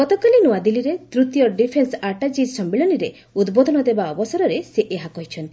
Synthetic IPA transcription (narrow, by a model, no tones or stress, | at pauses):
ɡɔt̪ɔkalinuwad̪iliɾet̪ɾut̪jɔɖipʰensaʈad͡ʒissɔmbiɭɔniɾe | ud̪bɔd̪ʱɔnɔd̪ebaɔbɔsɔɾɔɾeseʔeɦakɔɦit͡ʃʰɔn